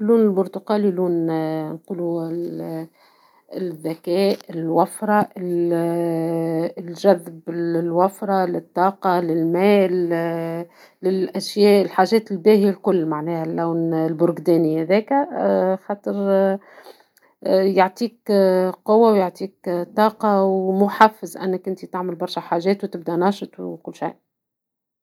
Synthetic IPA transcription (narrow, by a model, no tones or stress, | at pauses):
luːnɪlbʊɾt̪ʊqɑːliluːnnquːlu | ðːækɛːʔɪlwafɾˤɑɪl | lʒæðbɪlwafɾˤɑlɪt̪ˤːɑːqɑlɪlmæːl | ɪlʔæʃjæːʔɪlħaːʒɛːt̪ɪlbæːhialkʊlːmaʕnɛːhælːæwnlbʊɾɡd̪æːnihæðɛːkæxɑːt̪ˤəɾ | jaʕt̪ˤiːkqowːawjaʕt̪ˤiːkt̪ˤːɑːqɑwmʊħafːɪzʔæ̰nːɪkʔɪnt̪it̪aʕmɪlbɑɾˤʃæħaːʒɛːt̪wt̪ɪb̚d̪ænɑːʃət̪ˤwkʊlːʃa̰jʔ